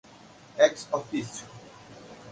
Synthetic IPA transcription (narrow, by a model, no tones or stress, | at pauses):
ɛksɔfis